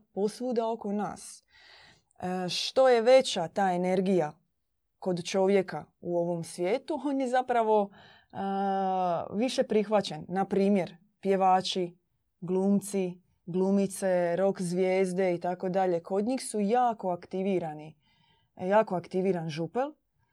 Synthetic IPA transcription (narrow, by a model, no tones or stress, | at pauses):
po̞sʋuːd̪ao̞ko̞na̰ːs | ʃt̪o̞je̞ʋe̞t͡ɕat̪aːe̞ne̞ɾɡija | ko̞d̪t͡ʃo̞ʋje̞kauo̞ʋo̞msʋjeːt̪uo̞ːnje̞zapɾaʋo̞ | ʋiʃe̞pɾixʋat͡ɕenːapɾiːmje̞ɾ | pje̞ʋaːt͡ʃi | ɡlˠuːmt̪si | ɡluːmit̪se̞ɾo̞kzʋjeːzd̪e̞it̪ako̞d̪aʎe̞ko̞d̪ɲiːxsujaːko̞akt̪iʋiːɾani | jaːkoakt̪iʋiːɾanʒupel